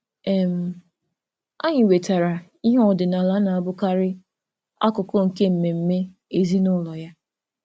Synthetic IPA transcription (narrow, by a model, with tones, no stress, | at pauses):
ɛ˨m̩˨ | a˦ɲɪ˨we˨ta˨ɾa˨ | i˦ɦɔ˨dɪ˨na˨la˨˦na˨a˨bʊ˦ka˦ɾɪ˦ | a̰˦kʊ˨kɔ˦ŋ̩˨ke˦m̩˨me˨m̩˦me˦ | e˨zi˦nʊ˦lɔ˨ja˦